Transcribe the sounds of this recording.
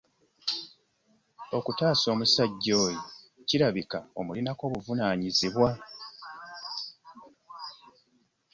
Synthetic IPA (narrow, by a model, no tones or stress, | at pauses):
o̞kutaːso̞ːmusaɟːo̞ːjo | ciɾaβikao̞mulinako̞ːβuvunaːɲiziβwa